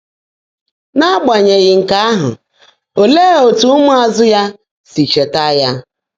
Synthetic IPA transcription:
na˦ɡ͡ba˨ɲe˨ɣɪ˨ŋ̩˨ka˦a˦ɦʊ̰˨ | o˨le˦o˨tu˦mʊ˦a˨zʊ˦ja˦ | si˨t͡ʃe˨ta˦ja˦

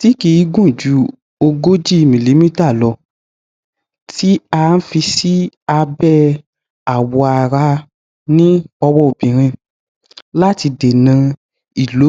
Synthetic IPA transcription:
ti˦ki˧i˧˦ɡũ˦i˨d͡ʒu˨˦ | o˧ɡo˦d͡ʒi˦˨mĩ˨li˨˦mĩ˦ta˦˨lɔ˧ | ti˦a˧˦n̩˦fi˧si˦a˧bɛ˦ | a˨wɔ˧a˨ɾa˧ | nĩ˦ɔ˧wɔ˧o˨bĩ˨ɾ̃ĩ˧ | la˦ti˧de˨nã˧ | i˨lo˨˦

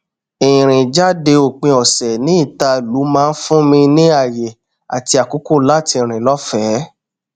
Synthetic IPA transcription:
ĩ˨ɾ̃ĩ˨d͡ʒa˦de˧o˨k͡pẽ˧ɔ˨sɛ˨nĩ˨˦i˦˨ta˧lu˨˦mãː˦˧n̩˦fũ˦mĩ˧nĩ˦a˦˨je˨ | a˨ti˧a˨ku˨˦ku˦˨la˦˨tĩ˧˨ɾ̃ĩ˨lɔ˦fɛ˦

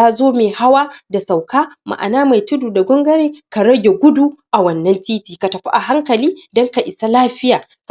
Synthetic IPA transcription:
aː˦zoː˦meː˨ha˦waː˦da˨sa˨wkaː˦ma̰˨ʔa̰˨naː˦ma˨jtʊ˦duː˨da˨ɡʷɔ˦ŋɡɐ˦ɾeː˦ka˨ɽɐ˦ɡʲe˨ɡʷʊ˦duː˦ʔa˨wɐ˦nːɐ˦ntiː˦tiː˨ka˨tɐ˨ɸa˦ʔa˨ɦa˦ŋkɐ˨liː˦dɔ˦ŋka˨ʔɪ˨sa˦laː˦ɸɪ˦jaː˨ | k

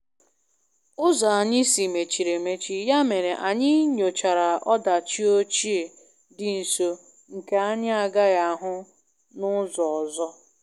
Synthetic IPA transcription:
ʊ˦zɔ˨a˨ɲɪ˦si˨me˨t͡ʃi˨ɾe˨me˦t͡ʃi˦ja˦me˨ɾe˨ʔa˨ɲɪ˦ɲo˨t͡ʃa˨ɾa˨ʔɔ˦da˨t͡ʃi˦o˦t͡ʃi˦e˨ | dɪ˨n̩˨so˦˨ | ŋ̩˨ke˨a˦ɲɪ˦a˨ɡa˦ɣa˨a˨ɦʊ˦ | nʊ˦zɔ˨ɔ˨zɔ˦

